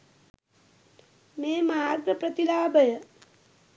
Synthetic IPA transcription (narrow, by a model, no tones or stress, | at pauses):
meːmaːɾɡɾəpɾɐt̪ilaːbʱəjə